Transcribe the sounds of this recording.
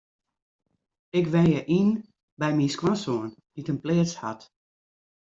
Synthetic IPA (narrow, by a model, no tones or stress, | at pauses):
ɪkʋɛnjɛʔin | bɛjminskwansoənditənpleːət͡sha̰t